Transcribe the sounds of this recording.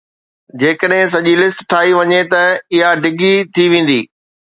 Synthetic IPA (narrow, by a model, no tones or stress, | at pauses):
d͡ʑeːkəɗɦɪ̃s̬ɐʄilɪsʈʈʰaːiʋɐɲet̪ɐɪɦaɖʱɪɡʱit̪ʰiʋẽːn̆d̪iː